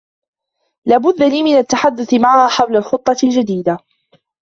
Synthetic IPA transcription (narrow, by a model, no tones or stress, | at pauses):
laːbʊd̪ːaliːmɪnat̪ːaħad̪ːʊθɪmaʕahaːħawlalxʊt̪ˤːɑld͡ʒad̪iːd̪a